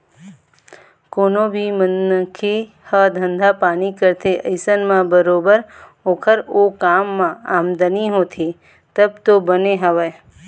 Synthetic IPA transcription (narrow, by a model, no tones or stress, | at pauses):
koːnõbʱimənːəkʰi | həd̪ʱə̃nd̪ʱapaːnikəɾt̪ʰeʔəɪsənmãbəɾoːbəɾoːkʰəɾoːkaːmːãaːmd̪əniɦoːt̪ʰi | t̪əb̚t̪obəneɦəʋə